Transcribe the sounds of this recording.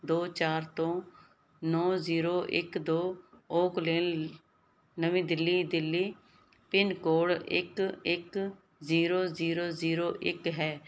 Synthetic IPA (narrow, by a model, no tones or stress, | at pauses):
d̪oːt͡ʃaːɾt̪õː | nɔːziːɾoːʔɪ̰kd̪oːoːkleːl | nəʋĩːd̪ɪlːiːd̪ɪlːiː | pɪnkoːɽɪ̰kɪk | ziːɾoːziːɾoːziːɾoːʔɪkɦɛː